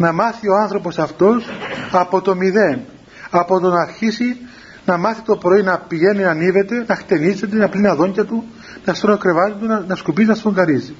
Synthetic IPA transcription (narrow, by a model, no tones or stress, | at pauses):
nɐmɐθio̞ɐnθɾo̞po̞sɐft̪o̞sɐpo̞t̪o̞miðe̞n | ɐpo̞t̪o̞nɐːɾçisi | nɐmɐθi̥t̪o̞pɾo̞inɐpiʝe̞ninɐnive̞t̪e̞nɐxt̪e̞nizet̪̬enɐplinɐðo̞ɲɟɐt̪u | nɐst̪ɾonokɾe̞vɐt̪it̪unɐskupiznɐst̪oŋɡɐɾizi